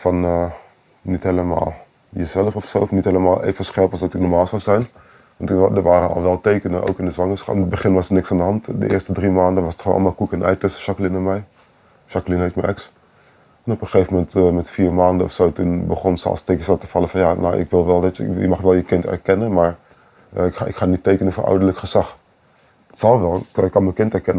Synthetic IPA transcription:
fɑnə | nitɦeləma̰ːlˠ | jəzɛləfɔfsowfnitheləmaːlˠʔḛːfvənsχɛɹplˠsdɑtɪk̚nɔɹmaːlˠzawzɛjn | ʋɑntdəɹʋaːɾənɑ̰lˠʋɛlˠtejkənənʔo̰wkɪndəzʋɑŋəɹsχɑ̰ɪnəd̚bəχɪnʋɑsənɪksandəɦɑntdə̰ʔɪ̰ːɹstədrimaːndənʋɑsətχo̰nɑ̰lˠmaːlˠkukənʔɛ̰jtɛstʃɑkəlɪnəmɛj | ʃɑklinɦeftməʔɛks | ɛnɔpəχejvəmɛntmɛtfiːɹmaːndəɔ̰fsowtunbəχɔnsə̰ɑ̰lˠstekə̥satə̥fɑləfɑnjano̰ʔɪ̰kʋɪlˠʋɛlˠdɑtjə̰mɑχʋɛlˠjəkɪntɛ̰ɹkɛnənmaːɹ | kaɪkχaːnitːeːkənənfəɹʔɔ̰wdəɹləkχəz̥ɑχ | tsɑlˠʋɛlˠkːɑnməkɪntɛɹkɛnə

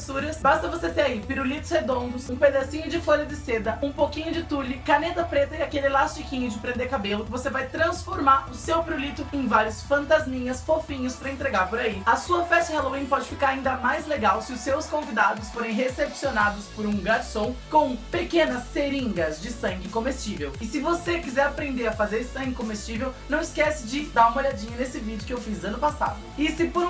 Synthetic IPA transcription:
suɾɐsbast̪ɐvoset̪eɾaipiɾulit̪ʊ̥shed̪õnd̪ʊsũped̪asĩɲʊd͡ʒɪfoʎɐd͡ʒɪsed̪ɐũpowkĩɲʊd͡ʒɪt̪uʎɪkanet̪ɐpɾet̪ɐiakelɪlast͡ʃikĩɲʊd͡ʒɪpɾẽnd̪eɾkabelʊkɪvosevajt̪ɾɐ̃sfoɾmaɾʊsewpiɾulit̪ʊẽj̃vaɾjʊsfɐ̃nt̪azmĩɲɐsfofĩɲʊspɾɐẽnt̪ɾeɡaɾpoɾaiɐsuɐfɛst͡ʃɪhaloĩpɔd͡ʒɪfikaɾaĩnd̪ɐmajzleɡawsɪʊsːewskõvid̪ad̪ʊsfoɾẽj̃ɦesepsionad̪ʊspoɾũɡaɾsõw̃kõpekẽnɐsːeɾĩŋɡɐzd͡ʒɪsɐ̃ŋɡɪkõmest͡ʃivewɪsɪvosekizɛɾapɾẽnd̪eɾɐfazeɾsɐ̃ŋɡɪkõmest͡ʃivewnɐ̃w̃ɪskɛsɪd͡ʒɪd̪aɾũmoʎad͡ʒĩɲɐnesɪvid͡ʒɪʊkɪewfizɐ̃nʊpasa̰d̪ʊɪsɪpoɾ̃

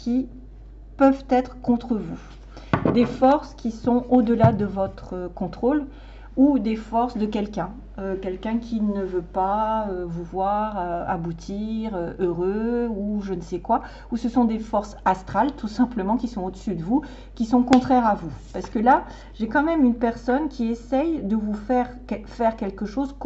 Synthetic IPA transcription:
kʲʰi | pœvt̪ɛt̪χkɔ̃t̪χəvu | d̪efɔʁskʲisɔ̃od̪əlad̪əvɔt̪χəkɔ̃t̪χol | ud̪efɔʁsd̪əkʲɛlkʲɛ̃ | økʲɛlkʲɛ̃kʲʰinəvøpaøvuvwaʁaa̰but̪ʰiʁøøʁøuʒənsɛkwa | usəsɔ̃d̪efɔʁsast̪χalt̪usɛ̃pləmɑ̃kʲisɔ̃od̪əsyd̪əvu | kʲisɔ̃kɔ̃t̪χɛʁavupaʁsə̥kəla | ʒekɑ̃mɛmynpɛʁsɔnkʲiesɛjd̪əvufɛʁkɛfɛʁkʲɛlkəʃozk

